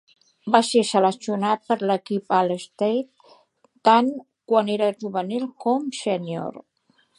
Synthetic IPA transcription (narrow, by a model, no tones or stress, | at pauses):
basesələsiunat̪̚pəɾləkipaləst̪ejt̪ː | aŋ | kwaneɾəʒuβənilˠkɔmsənjo̰ɾ